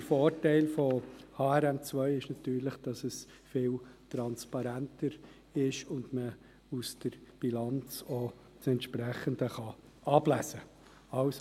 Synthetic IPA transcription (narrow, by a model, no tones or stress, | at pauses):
əfoːrtæɪlfɔhɑːɛɾɛmt͡svœʏɪʃnɑt̪yːɾləχd̥ɑsəs | fɪːltɾɑnspɑɾæntəɾ | ɪʃʊndmə | usd̥əɾb̥ilɑnt͡so | sɛntʃpɾæχəndəχɑ | ɑb̥læsə | ɑws